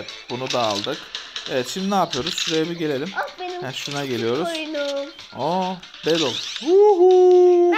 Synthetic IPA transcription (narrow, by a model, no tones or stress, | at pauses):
bunud̪a̰ːlˠd̪ɯkevɛt̪ʃimd̪inaːpʰɯjo̞ɾuz̥ʃuɾejbiɟe̞lʲe̞lʲimbenhæʃunaɟe̞lʲijo̞ɾuzjnu | o | bed̪olˠuɦu